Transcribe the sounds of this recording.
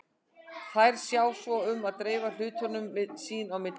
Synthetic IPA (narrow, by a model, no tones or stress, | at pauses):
θajɾ̥sjaːwsvɔʏmaðt̪ɾeːval̥ʏːt̪ɔnʏmːɪðsiːnawmɪt̪